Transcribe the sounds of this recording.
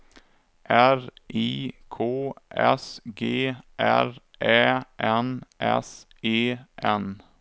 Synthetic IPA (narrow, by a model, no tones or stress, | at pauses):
ʔæɾiːkʰoːʔɛ̰sɡeːʔæ̰ɾ | ʔɛːʔɛnʔɛ̰s | eːʔɛn